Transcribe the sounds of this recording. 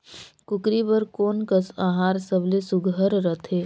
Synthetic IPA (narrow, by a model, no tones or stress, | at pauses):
kʊkɾibəɾkoːnkəsaɦaːɾsəblesʊɡʱəɾɾət̪ʰeː